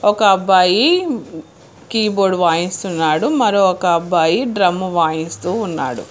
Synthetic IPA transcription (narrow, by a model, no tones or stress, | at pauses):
ɔkɐɐbːaːji | kiːboːɖʋaːjist̪unːaːɽumɐɾoɔkɐːbːaːjiɖɾɐmːuʋaːjist̪uːnːa̰ːɽṵ